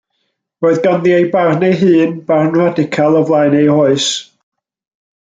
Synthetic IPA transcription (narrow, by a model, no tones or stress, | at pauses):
roːɨðɡanðiejbarnejɦɨːnbarnradɪkʰalˠɔvlˠaɨnejhɔɨs